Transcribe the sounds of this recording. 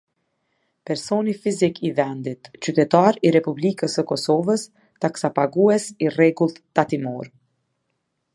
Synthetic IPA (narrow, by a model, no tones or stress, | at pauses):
pɛɾsɔnifizikivɛnd̪it̪t͡ɕyt̪ɛt̪aɾiɾɛpublikəsəkɔsɔvəs | t̪aksapaɡuɛsirɛɡulˠt̪t̪at̪imɔɾ